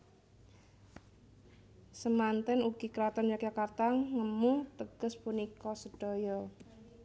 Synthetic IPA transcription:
səmant̪ɛnuɡ̥i̤kəɾat̪ɔnjakakart̪aŋəmut̪əɡ̥əspunikɔsəɖ̥ɔ̤jɔ

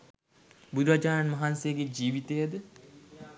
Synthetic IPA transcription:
bud̪uɾad͡ʒaːɾanmɐɦansejəɡed͡ʒiːʋit̪ejəd̪ə

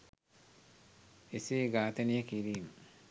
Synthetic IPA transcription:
esiːɡaːt̪enijəkiɾiːmə

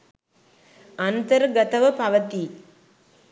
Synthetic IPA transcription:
ɐnt̪ɐɾɡɐt̪ɐʋɐpɐʋɐt̪i

